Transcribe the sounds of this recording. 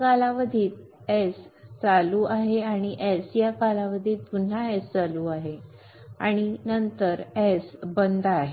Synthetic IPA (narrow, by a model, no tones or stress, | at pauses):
kalaʋəd̪ʱiːt̪̚ | est͡saluːʔaɦeaɽ̃iʔɛsjakalaʋəd̪ʱiːl̚pun̤aest͡saluːaɦe | a̰ɽ̃inənt̪əɾɛsbənd̪ʱːɦe